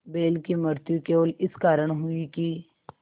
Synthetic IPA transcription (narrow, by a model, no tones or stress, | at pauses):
beːlkimʊɾt̪jukeoːlɪskaːɾəɽ̃ɦʊiki